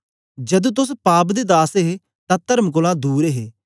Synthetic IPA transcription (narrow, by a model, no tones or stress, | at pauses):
d͡ʒəd̪ũːt̪ʊspaːp̬d̪eːd̪aːseɦe | t̪ãːt̪əɾmkʊlãːd̪uːɾeɦeː